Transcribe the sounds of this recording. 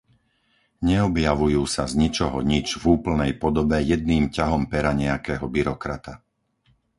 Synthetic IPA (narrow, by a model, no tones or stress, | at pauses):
ɲɛɔbjaʋujuːsazɲit͡ʃɔɦɔɲid͡ʒvuːpl̩nɛjpɔd̪ɔbɛjɛd̪niːmcaɦɔmpɛɾaɲɛakɛːɦɔbiɾɔkɾat̪a